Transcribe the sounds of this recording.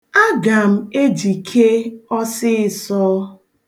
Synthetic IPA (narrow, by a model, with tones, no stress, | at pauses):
a˦ɡa˨m̩˦e˦d͡ʒi˨kʰe˦ɔ˦sɪ˦ɪ˨sɔː˦